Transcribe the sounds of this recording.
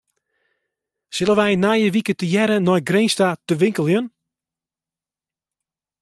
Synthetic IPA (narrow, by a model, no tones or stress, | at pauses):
sɪlˠəʋɛjnaːjəʋikətəjɛɾənɔjɡɾejnstatəʋɪŋkəlˠjən